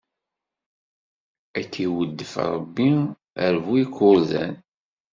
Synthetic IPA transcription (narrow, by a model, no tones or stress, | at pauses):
ækːiwəd̪ːəfɾˤə̰bːi | əɾvuikːʊɾzæ̰n